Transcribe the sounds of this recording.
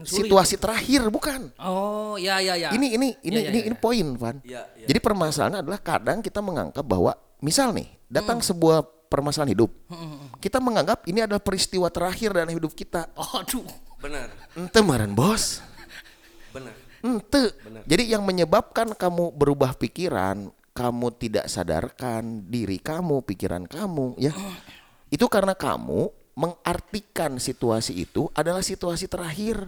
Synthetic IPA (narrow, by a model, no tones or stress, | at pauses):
sit̪uasit̪əɾahɪrbukan | jajainiːniininiːnipoɪnpa̰nd͡ʒadipərmasa̰la̰ɲaːdalahka̰daŋkit̪aməŋa̰ŋɡap̚ba̰ɦwa̰ | misalnɪ̰hdat̪aŋsəbuah | pərmasalanhidʊp̚kit̪aməŋaŋɡap̚iniadalahpəɾist̪iwat̪əɾahɪrdanhidʊp̚kit̪adu | n̩t̪əmaɾanbɔs | n̩t̪əd͡ʒadijaŋməɲəbap̚kankamubəɾubahpikiɾa̰n | kamut̪ida̰ʔsa̰da̰rkandiɾḭkamupikḭɾa̰nkamuja | it̪ukaɾənaka̰mṵ | məŋart̪ikansit̪uasḭːt̪uʔadalahsit̪uasit̪əɾaɦɪr